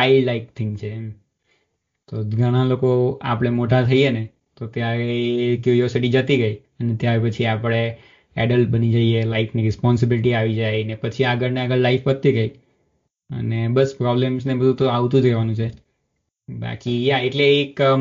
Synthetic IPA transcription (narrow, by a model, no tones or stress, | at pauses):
ailaikt̪ʰɪ̃ŋɡt͡ʃʰe | t̪oɡʱəɽ̃alokoa̰pəɽ̃emoʈat̪ʰəiene | t̪ot̪jaɾekjuɾiosiʈid͡ʒət̪iɡəi | ənet̪jaɾepət͡ʃʰiapɽ̃e | ɛɖəlʈ̚bənid͡ʒəielaifʰniɾɪspɔns̬ɪbilɪʈiaʋid͡ʒajnepət͡ʃʰiaɡəɾneaɡəɭlaifbət̪ːiɡəi | ə̰nebəspɾɔblemsnebəd̪ʱũt̪oaʋt̪ũd͡ʒɾɛʋanũt͡ʃʰe | ba̰kijaeʈleːk